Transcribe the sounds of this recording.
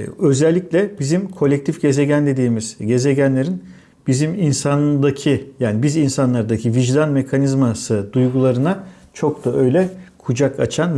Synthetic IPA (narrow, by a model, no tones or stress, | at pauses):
ø̞zælʲːiclʲɛbizimkʰo̞lʲːɛc̚t̪ʰifɟ̥e̞ze̞ɟænd̪e̞d̪iːmiz̥ɟe̞ze̞ɟænlʲe̞ɾin | b̥iziminsand̪acʰijaːnibizinsanlˠaɾd̪acʰiviʒd̪anme̞kʰanizmasɯd̪ujɡulˠaɾɯna | t͡ʃʰo̞kt̪aø̞jlʲɛkʰud͡ʒaka̰t͡ʃʰanv